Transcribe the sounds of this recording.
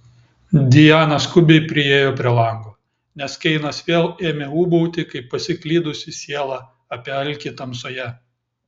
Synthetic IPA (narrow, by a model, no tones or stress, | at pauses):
d̪ʲɪjæːnɐskʊbʲeɪpʲɾʲɪeːjoːpʲɾʲiɛlˠɐŋɡoː | nʲɛskʲɛɪnɐsʋʲeːlˠeːmʲeːuːbɔʊt̪ʲɪkɐɪpːɐsʲɪklʲiːd̪ʊsʲɪsʲiɛlˠɑː | ɐpʲiɛɐlʲkʲit̪ɐmsoːjɛ